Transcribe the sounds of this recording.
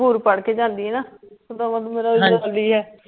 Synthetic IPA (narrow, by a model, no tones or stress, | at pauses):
uːɾpəɽkeːd͡ʒãːnd̪iːɛːnaːsʊd̪aːmə̃lumeːɾaːəəliːɦɛː